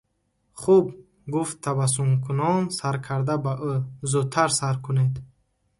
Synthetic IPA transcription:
χub | ɡuft̪ʰːavas̬umkʰunɔnsaɾkʰaɾd̪abaʔuzut̪ʰaɾsaɾkʰuned̪

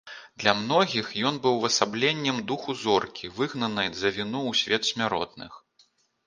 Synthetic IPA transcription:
d̪lʲɐmnɔɣʲixjɔnbɨwvɐsablʲenʲːɛmd̪uxuzɔrkʲivɨɣnɐnɨjzɐvʲinɔwsʲvʲɛt̪sʲmʲaɾɔ̰t̪̚nɨ̰x

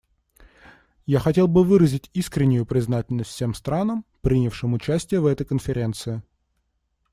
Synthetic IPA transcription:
jaxɐtʲe̞lˠbɨvɨɾəzʲɪtʲiskɾʲɪnʲːɪjʊpɾʲɪznatʲɪlʲnəst̪ʲfsʲe̞mst̪ɾanəmpɾʲinʲɪfʂɨmʊt͡ɕæsʲtʲɪjəvɛt̪əjkənfʲɪɾʲe̞nt̪sɨɪ

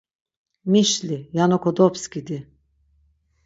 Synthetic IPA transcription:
miʃlʲijanokod̪opscʲid̪i

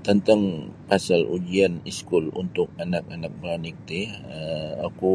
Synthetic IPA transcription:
t̪ənt̪aŋpasalʔud͡ʒianiskʊlṵnt̪ʊk̚anak̚anak̚bəɾanik̚t̪iəaku

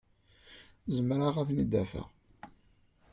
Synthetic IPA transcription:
zəmɾaʁæθnid̪ːæfæ̰ʁ

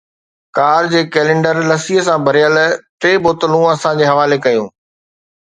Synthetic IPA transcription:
kaːɾd͡ʑeːkeːlẽːɳɖəɾlɐsiɦəsãbʱɐɾɪjəlʈɾeːboːt̪əlũɐsãd͡ʑeːɦɐʋaːlekɐjũː

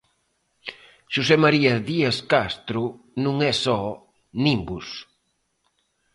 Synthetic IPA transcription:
ʃusɛmaɾiɐðiaskast̪ɾu | nũŋɛsɔ | nimbus

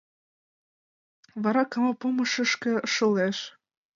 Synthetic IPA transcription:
βɑɾɑkɑmɑpomə̆ʃə̆ʃkĕʃə̆leʃ

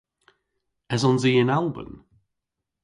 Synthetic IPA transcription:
ɛzɔnziːɪ̃nalˠbə̰̃n

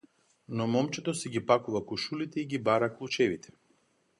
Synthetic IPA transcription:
nɔmɔmt͡ʃɛt̪ɔsɛɡipakuvakuʃulit̪ɛiɡibaɾaklˠut͡ʃɛvit̪ʰɛ̥

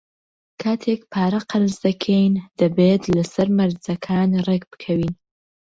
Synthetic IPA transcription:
kʰaːt̪ʰeːkpʰaːɾɐqʰɐɾɨzd̪ɐkʰejnd̪̥ɐbet̪lɐsɐɾmɐɾzɐkʰaːnrekbɨ̥kʰɐwiːn

